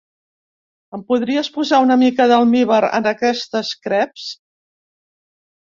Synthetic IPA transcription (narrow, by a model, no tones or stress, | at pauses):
əmpuðɾiəspuzaunəmikəðəlˠmiβəɾə̰nəkɛst̪əskɾɛps